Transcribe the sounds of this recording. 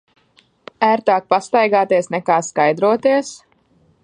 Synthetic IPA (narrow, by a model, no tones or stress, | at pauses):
æːɾt̪aːk̚past̪ajɡaːt̪iɛsnɛkaːskajd̪ɾuɔt̪iɛs